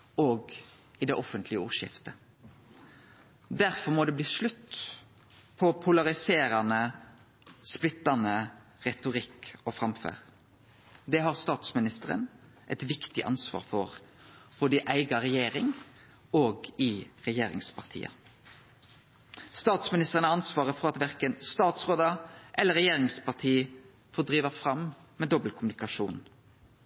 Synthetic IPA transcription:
oːɡ | ɪd̪ɛʔɔfənt̪ʰlɪəuːʁʃɪ̰ft̪ə | d̪æʁfɔʁmɔd̪ɛːbliːʂlʉt̪ | pʰɔpʰʊlɑʁɪseːɾɑnə | splɪt̪ːɑnəʁɛt̪ʊʁɪkɔfɾɑmfø̰ːʁ | d̪ɛɦɑʁst̪ɑːt̪smɪnɪst̪əɾə̰n | ʔɛ̰t̪ʋɪkt̪ɪ̰ʔɑ̰nsʋɑ̰ːʁfɔʁb̥ɔːd̪əʔæɪɡɑʁɛjeːɾɪŋ | oːɡɪʁɛjeːɾɪ̰ŋspʰɑʁt̪ʰḭːə̰ | st̪ɑːt̪smɪnɪst̪əʁənəɑnsʋɑːʁəfɔʁɑt̪ʋæʁkənst̪ɑːt̪sʁoːd̪əʔɛlːəɾɛjeːɾɪŋspɑʁʈ̪ʰiː | foːd̪ɾiːʋəfɾɑm | mɛːd̪ɔblkʰʊmʉnɪkɑʂṵːn

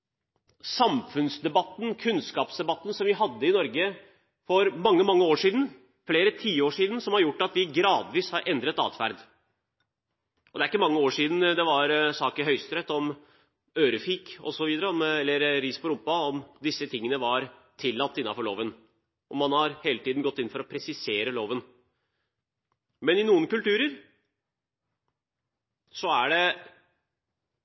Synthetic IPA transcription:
sɑmfʉnsd̪ɛbɑt̪ːn̩kʰʉnskɑːpsd̪ɛbɑt̪ːn̩sɔmʋɪɦɑd̪ːəɪnɔɾɡə | fɔɾmɑŋːəmɑŋːəoːʂiːd̪n̩ | fleːɾət̪ʰiːəoːʂiːd̪n̩sɔmhɑɾjʊʈːɑt̪ʋɪɡɾɑːd̪ʋiːshɑɾʔɛnd̪ɾət̪ɑ̰ːt̪fæ̰ɾd̪ | ʔɔd̪ɛæɾɪkːəmɑŋːəoːʂiːd̪n̩d̪ɛʋɑɾsɑːkəɦœʏst̪ɾɛt̪ːɔm | øːɾəfɪkɔ̰sɔʋiːd̪əɾəɔmɛlːəɾɾiːspɔɾʊmpɑɔmd̪ɪsːət̪ʰɪŋːənəʋɑɾ | t̪ʰɪlːɑt̪ːɪnːɑfɔɭoːʋən | ʔɔmɑnhɑɾheːlət̪iːd̪n̩ɡɔt̪ːɪnfɔɾɔpʰɾɛsɪseːɾəloːʋən | mɛnɪnuːənkʉlt̪ʉːɾəɾ | sɔæɖɛ

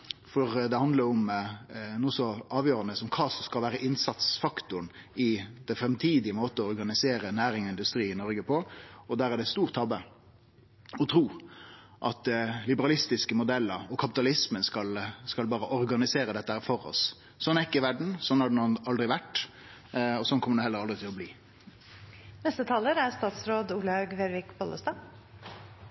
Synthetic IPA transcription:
fɔɾd̪ɛhɑnd̪ləɾɔm | nuːsɔɑːʋjøːɾɑnəsɔmkʰɑːsɔskɑlʋæːɾəʔɪnsɑt̪sfɑkt̪ʊɳɪd̪̥ɛfɾɛmt̪ʰiːd̪ɪəmoːt̪əɔɾɡɑnɪseːɾənæːɾɪŋɔɪnd̪ʉst̪ɾiːɪnɔɾɡəpʰɔɔd̪æːɾæɖɛt̪st̪uːʁt̪ʰːɑbə | ɔt̪ʰɾuː | ʔɑ̰t̪lɪbəʁɑlɪst̪ɪskəmʊd̪ɛlːəɾɔkʰɑpɪ̥t̪ɑlɪsmənskɑlskɑlbɑːɾəʔɔʁɡɑnɪseːɾəd̪ɛt̪ːəhæːɾfɔʁɔ̰s | sɔnːɛkːɪʋæɖɳ̩sɔnːhɑɖɛnonɑld̪ɾɪʋæʈː | ɔsɔnkʰɔmːəɖɛhɛlːəɾɑld̪ɾɪt̪ʰɪlɔbliː | nɛst̪ət̪ʰɑːləɾæst̪ɑːt̪sɾoːd̪uːlɑɡʋeɾʋɪkbɔləst̪ɑ

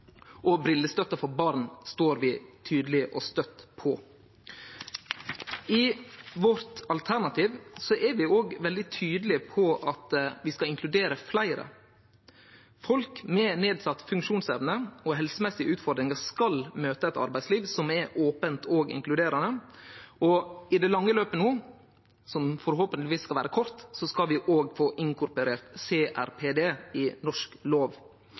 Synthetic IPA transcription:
ʔɔbɾɪlːəst̪œt̪ːəfɔɾbɑɾnst̪oːɾʋɪt̪ʰyːd̪lɪʔɔst̪œt̪ːpʰɔ | ɪʋɔɾt̪ɑlt̪ʰæɾnɑt̪ʰiːʋsɔʔɛɾʋɪoːɡʋɛld̪ɪt̪ʰyːd̪lɪpʰɔʔɑt̪ʋɪskɑɪŋkʰlʉd̪eːɾəflæɪɾə̰ | fɔlkmɛːneːd̪sɑt̪ːfʉŋʃuːnsɛʋnəɔɦɛlsəmɛsːɪəʉːt̪fɔɾɖd̪ɾɪŋəɾskɑlmøːt̪əɛt̪ɑ̰ɾbæɪsliːʋsɔmɛʔoːpənt̪ʰoːɡɪ̰ŋklʉd̪eːɾɑnə | ɔɪd̪ɛlɑŋːəløːpənoː | sɔmfɔɾɦoːpənʋiːsːkɑlʋæːɾəkʰɔɾt̪sɔskɑʋɪʔoːɡfoːʔɪŋkʊɾpʉɾeːɾt̪seːʔæ̰ɾpʰeːd̪eːɪnɔʂkloːʋ

